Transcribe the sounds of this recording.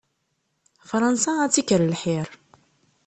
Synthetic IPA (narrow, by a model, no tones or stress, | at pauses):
fɾˤɑnsaːt͡sːikəɾlħiɾˤ